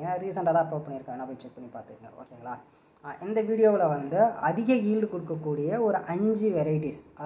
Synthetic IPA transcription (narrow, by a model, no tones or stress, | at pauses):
ŋɐnːaːɾisɐɳɖɐt̪ãːpɾoːʈ̚pɐɳːɪɾɯkːaɐnːapoːjt͡ʃɛk̚pɐɳːipaːɾt̪ɯɾɯŋɡɐ̰o̰ːkeːŋɡɐɭaː | ʔɪnd̪ɐʋiːɽɪjoːʋɪlɐʋɐnd̪ɯɐðɪɣɐjiːlɖɯkɔɽɯkːɐkːuːɽɪjɐɔɾɯʔɐɲd͡ʒiʋɛɾɐjɪʈisʔɐ